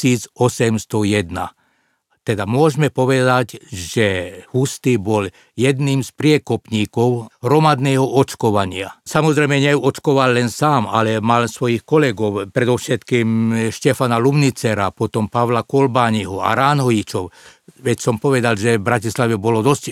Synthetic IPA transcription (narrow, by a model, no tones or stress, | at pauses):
iːd͡zɔsɛmst̪ɔjɛd̪na̰ | t̪ɛd̪amʊɔʒmɛpɔʋɛd̪aɟʒɛhust̪ibɔl | jɛd̪niːmspɾɪɛkɔpɲiːkɔwɦɾɔmad̪nɛɦɔʔɔt͡ʃkɔʋaɲɪasamɔzɾɛjmɛɲɛɔt͡ʃkɔʋalːɛnsaːma̰lɛmalsʋɔjixkɔlɛɡɔwpɾɛd̪ɔwʃɛt̪kiːmʃcɛfanalumnit͡sɛɾapɔt̪ɔmpaʋlakɔlbaɲiɦɔa̰ɾaːnɦɔjit͡ʃɔwʋɛcsɔmpɔʋɛd̪alʒɛbɾacislaʋɛbɔlɔd̪ɔsc